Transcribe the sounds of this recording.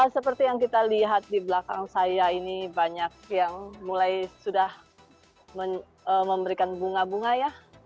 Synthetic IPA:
əsəpərt̪ijaŋkit̪aliɦat̪̚dibəlaka̰ŋsajainibaɲak̚jaŋmulajsudah | məɲ | əməmbəɾikanbuŋabuŋaja

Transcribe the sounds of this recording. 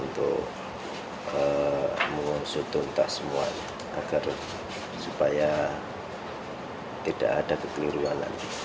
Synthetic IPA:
unt̪ʊ̰ʔ | əməŋunsʊt̪ʊnt̪aʔsəmua̰ɲa | aɡ̥ar | supaja | t̪id̥a̰ʔadakəkəluɾuana̰ni

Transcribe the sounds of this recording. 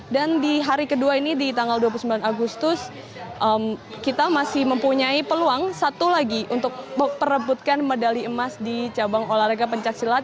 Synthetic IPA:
dandiɦaɾikəduainidit̪aŋɡalduapulusəmbilanaɡust̪ʊs | ʔəmkit̪amasɪhməmpuɲaipəluaŋsat̪ulaɡiʔunt̪ʊk̚əpəɾəmput̪̚kanmədaliəmasdit͡ʃabaŋolaɾaɡapəɲt͡ʃak̚silat̪̚

